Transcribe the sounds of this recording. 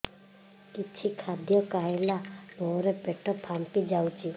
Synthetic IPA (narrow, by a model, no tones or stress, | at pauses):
kit͡ʃʰikʰad̪jɔkajelabɔɾepeʈʰɔbʱampid͡ʒawt͡ʃʰi